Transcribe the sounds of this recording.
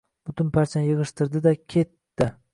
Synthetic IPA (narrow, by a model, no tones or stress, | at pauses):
b̥ʊt̪ʰʊnpʰaɾt͡ʃʰanjɪʁɨʃt̪ɪɾd̪ɪd̪akʲʰe̞t̪ːɪ